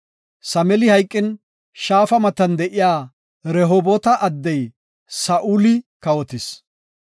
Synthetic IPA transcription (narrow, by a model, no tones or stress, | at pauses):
sɐmɛlɪhɐjkʼːɪn | ʃaːfɐmɐt̪ːɐnd̪ɛʔɪjaː | ɾɛɦɔbɔt̪ɐʔɐd̪ːɛj | sɐʔulɪkɐwɔt̪ɪs